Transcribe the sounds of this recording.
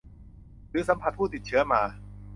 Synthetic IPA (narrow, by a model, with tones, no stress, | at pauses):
ɾɯː˨˦˥sa˩˦mpʰa˧t̪̚pʰuː˥˩t̪i˨˩t̪̚t͡ɕʰɯ˦˥ɐmaː˧